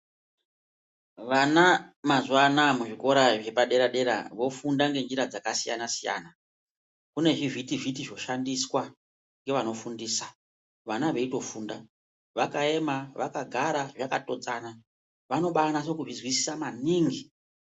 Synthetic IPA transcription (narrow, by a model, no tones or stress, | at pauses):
ʋanamazuwanamuʐiko̞ɾaʐe̞paɗe̞ɾaɗe̞ɾa̰ʋo̞fundaŋɡe̞nd͡ʒiɾad͡zakasija̰nasija̰ːna | kune̞ʐivʱitivitiʐo̞ʃandiswa | ŋɡe̞ʋano̞fundiːsḁ | ʋanaʋe̞ito̞fuːnda | ʋakae̞maʋakaɡʱaɾaʐakato̞d͡zana | ʋano̞ɓaanaʐo̞kuʐizwisi̥samaniːŋɡi